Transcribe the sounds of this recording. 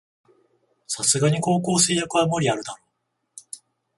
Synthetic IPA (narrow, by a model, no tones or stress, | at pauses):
sasɨɡaɲ̟iko̞ːko̞ːse̞ːjakɯ̟βamo̞ɾʲiaɾɯ̟d̪aɾo̞ː